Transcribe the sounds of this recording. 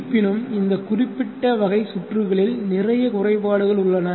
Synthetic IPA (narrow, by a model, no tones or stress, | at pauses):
pːɪnɯmɪnd̪ɐkʊrɪpːɪʈːɐʋɐɣɐɪsʊʈrɯɣɐɭɪlnɪrɐjɐkʊrɐɪpaːɽɯɣɐɭʊɭːɐnɐ